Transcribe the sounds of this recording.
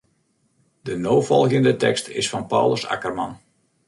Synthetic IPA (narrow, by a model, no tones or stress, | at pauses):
dənoːfɔlˠɣəndətɛ̰kstʰɪsfɑnpa̰wləsa̰kərmɑ̰n